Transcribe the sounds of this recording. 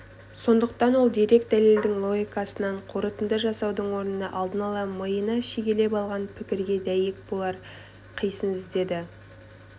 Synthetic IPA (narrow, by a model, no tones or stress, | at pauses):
so̞nd̪əq̚t̪ɑnwo̞lˠd̪eɾe̞k̚d̪æle̞ld̪ɪŋlˠo̞ɡʲijkɑsənɑɴqʰoɾət̪əmd̪əʒɑsɑwd̪əɴwo̞ɾnənɑʔɑlˠd̪ənɑlˠɑməjənɑʃeɡʲe̞le̞pɑlˠʁɑnpʰɪkʲɪɾɡʲe̞d̪æjek̚bo̞lˠɑɾ | qʰijsənzɪzd̪e̞d̪ɪ